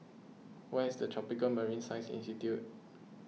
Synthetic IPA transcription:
wɛisdətʰɹɔpikəlməɹĩnsaɪsḭ̃nstitjut̚

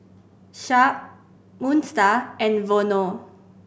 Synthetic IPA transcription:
ʃaʔ | mũnstaɛ̃nvono

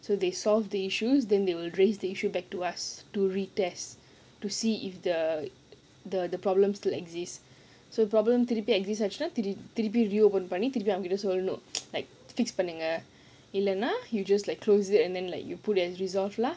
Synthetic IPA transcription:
sod̪esɔlvd̪əiʃusdɛ̃nd̪ewilɹesdəiʃubɛk̚tuastuɹitɛs | tusiifd̪ə | d̪əd̪əpɹɔblə̃mstilɛɡzist | sodəpɹɔblə̃mt̪iɾipiɛkzisad͡ʒnat̪iɾit̪iɾip̬iɹiopə̃npanĩt̪iɾipiãmɡɛtəsolnolaɪk̚ | fikspanĩŋə | ilə̃najud͡ʒaslaɪjkʰːlositɛ̃nd̪ɛ̃nlaɪkjuputɛsɹizɔlfla

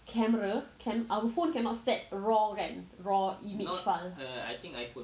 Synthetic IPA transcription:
kʰɛməɹakʰɛ̃nʔawəfõnkɛ̃nɔtstɛt̚ɹɔɹɛ̃nɹɔimid͡ʒfala̰jt̪ĩŋkajfõ

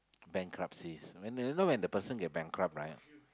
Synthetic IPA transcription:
bɛ̃ŋkʰɹap̚siswɛ̃nnowɛ̃ndəpəsə̃nɡɛt̚bɛ̃ŋkʰɹap̚ɹaɪt̚

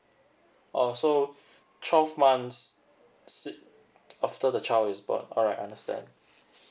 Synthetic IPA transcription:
ʔɔso | tʰwɛlvmãnsː | it̚ | aftədət͡ʃaɪlɪsbɔ̰̃nɔlɹaɪtaãndəstɛ̰̃nd

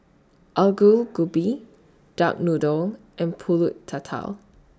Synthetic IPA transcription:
ʔalɡulɡubi | d̥ak̚nudɔl | ʔɛ̃npʰulutʰːatʰa̰l

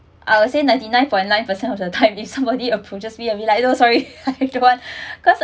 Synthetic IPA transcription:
ʔawsenãɪj̃ntinãj̃npʰɔ̃j̃nnãj̃npəsɛ̃nɔfdətʰãɪ̃mifsãmbɔdiəpʰud͡ʒasbiəviladõsɔɹiadowãnkʰɔs

